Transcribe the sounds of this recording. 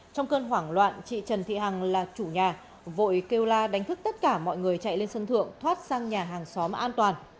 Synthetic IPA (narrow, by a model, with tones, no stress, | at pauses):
t͡ɕɔ˧wŋ͡mkəː˧nɦwaː˧˩ŋlwa̰ː˧˨nt͡ɕḭ˧˨t͡ɕə˨˩nt̪ʰḭ˧˨ha˨˩ŋlaː˨˩t͡ɕu˧˩ɲaː˨˩ | vo̰˧˨jke˧wlaː˧ɗa˨˦jŋ̟t̪ɨ˦˥k̚t̪ə˦˥t̚kaː˧˩mɔ̰˧˨jŋɨ˨˩əjt͡ɕa̰˧˨jle˧nsə˧nt̪ʰɨ̰˧˨əŋt̪ʰwaː˦˥t̚saː˧ŋɲaː˨˩ɦaː˨˩ŋsɔ˨˦mʔaː˧nt̪waː˨˩n